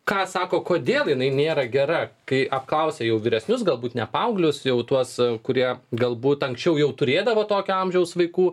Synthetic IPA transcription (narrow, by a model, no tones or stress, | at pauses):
kɑːsɑːkoːkoːd̪ʲeːlˠjɪnɐɪnʲeːɾɐɡʲɛɾɐkɐɪʔɐpklˠɐʊsʲeːjɛʊʋʲiːɾʲɛsʲnʲʊsɡɐlˠbuːt̪nʲɛpɐʊɡlʲʊsjɛʊt̪uɔskʊɾʲiɛɡɐlˠbuːt̪ɐŋksʲt͡ʃʲɛʊjɛʊt̪ʊɾʲeːd̪ɐʋoːt̪oːkʲʊɐmʲʒʲɛʊsʋɐɪkuː